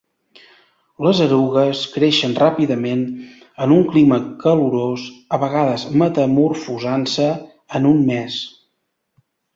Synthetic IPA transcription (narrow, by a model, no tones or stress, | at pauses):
ləzəɾuɣəskɾeʃənrapiðəmen | ənuŋkliməkəluɾosəβəɣaðəzmət̪əmurfuzansəː | nunmɛs